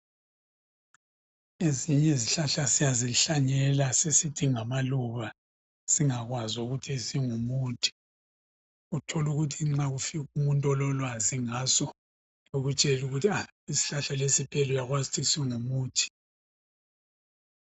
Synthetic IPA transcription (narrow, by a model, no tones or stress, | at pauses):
eziɲɛziɬaɬasijaziɬaɲɛlasesitʰiŋamaluβa | siŋaɣwazuɣutʰisiŋumuːtʰi̥ | utʰɔluɣutʰiŋ͡ǁaɣufiɣumuntʼɔlɔlwaziŋaːsɔ | oɣut͡ʃʼɛluɣutʰia | isi̥ɬaɬalesipʰʼɛlɔjaɣwazitʰisiŋumuːtʰi̥